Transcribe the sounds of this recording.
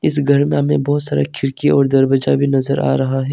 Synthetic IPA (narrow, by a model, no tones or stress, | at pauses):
ɪsɡʱɐɾmẽmḛ̃bɔɦːt̪saːɾa̰kʰɪɾkiɔːɾd̪ɐɾbɐd͡ʒabʱinɐzəɾʔa̰ːɾɐɦaɦɛː